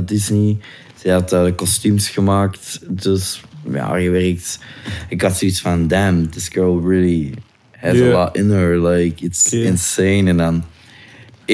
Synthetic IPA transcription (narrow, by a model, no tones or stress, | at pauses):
dɪzni | z̥ɛɑtəəkɔstymsxəmaːktd̥əsja̰ɣəʋɛɾək̚tɪk̚ɡɑtsoitsfɑ̃ndɛ̃md̪ɪsɡ̥ɜ˞lˠɹɪlˠi | həzəlɔtɪ̃nə˞laɪkɪtsɪ̃nseːnɛ̃ndɑn